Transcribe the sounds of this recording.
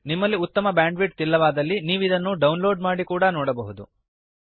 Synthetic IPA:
nimːɐlːiut̪ːɐmɐbaːɳɖʋiʈ̚t̪ilːɐʋaːd̪ɐlːiniːʋuid̪ɐnːuɖɐwnlo̞ːɖmaːɽikuːɽɐnɔːɽɐbɐɦud̪ṵ

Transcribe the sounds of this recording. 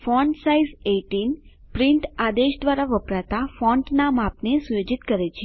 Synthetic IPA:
fɔɳɖsaizeʈin | pɾiɳʈad̪eʃd̪ʋaɾaʋəpɾat̪afɔ̃ɳʈnamapnesujod͡ʒit̪kəɾet͡ʃʰe

